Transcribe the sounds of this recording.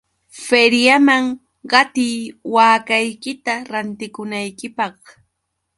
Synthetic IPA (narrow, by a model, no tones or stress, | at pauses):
feɾjamaŋ | ɢɑt̪ijwaːkajkɪt̪aɾant̪ɪkʊnajkɪpɑχ